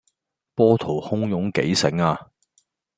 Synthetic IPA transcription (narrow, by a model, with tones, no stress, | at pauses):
pɔː˥t̪ʰo˨˩whʊ˥ŋjʊ˨˥ŋke˨˥jsɪ˨˥ŋaː˧